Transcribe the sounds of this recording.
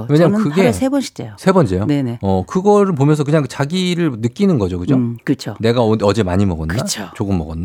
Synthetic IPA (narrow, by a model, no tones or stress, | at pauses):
weɲamkɯɡeesʰebʌnɕʰi̥t͡ɕ͈eosʰe̞bʌnt͡ɕ͈ejoneneʌkɯɡʌɾɯɭp̬omjʌnsʰʌkɯɲaŋt͡ɕaɡiɾɯɭnɯk͈inɯnɡʌd͡ʑokɯd͡ʑokɯt͡ɕʰone̞ɡaʌd͡ʑe̞maɲimʌɡʌnːɯat͡ɕʰot͡ɕoɡɯmːʌɡʌnːa